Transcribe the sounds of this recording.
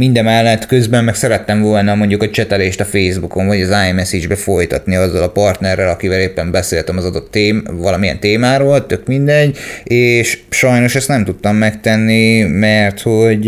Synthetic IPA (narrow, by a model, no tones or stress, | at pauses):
mind̪ɛmɛlːɛt̪ːkø̞zbɛmːɛksɛɾɛt̪ːɛɱvo̞lnɒmo̞ɲɟukɒt͡ʃɛt̪ɛleːʃt̪ɒfeːzbuko̞ɱvɒɟɒzaːɛmɛsid͡ʒbɛfo̞jt̪ɒ̰t̪niɒzːɒlɒpɒrt̪nɛrːɛlɒkivɛleːpːɛmbɛseːlt̪ɛmɒzɒd̪o̞t̪ːeːmvɒlɒmijɛ̰nt̪eːmaːɾoːlt̪ø̞kmind̪ɛɟːeːʃʃɒjno̞ʃɛst̪nɛmt̪ut̪ːɒmːɛkt̪ɛnːimɛrt̪ho̞ɟ